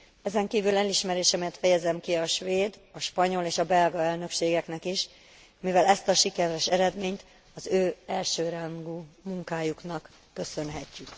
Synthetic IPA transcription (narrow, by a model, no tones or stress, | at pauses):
ɛzɛŋkiːvylɛliʃmɛɾeːʃɛmɛjɛt̪fɛjɛzɛmkiɒʃʋeːd̪ɒʃpɒɲo̞leːʃɒbɛlɡɒɛlnø̞kʃeːɡɛknɛkiʃ | mivɛlɛst̪ɒʃikɛɾɛʃɛɾɛd̪meːɲt̪ | ɒzøːɛlʃøːɾaŋɡuːmuŋkaːjuknɒkː | ø̞sø̞nɦɛcːyk